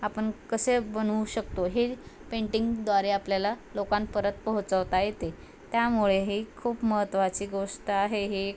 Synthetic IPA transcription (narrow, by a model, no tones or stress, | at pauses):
apəɳkəsebənuɕəkt̪oɦepeɳʈiŋɡd̪ʋaɾeapljalalokãnpəɾət̪̚pəɦut͡səʋt̪ajet̪e | t̪jamuɭeɦikʰuːpməɦət̪ːʋat͡ɕiːɡoʂʈəaɦeɦe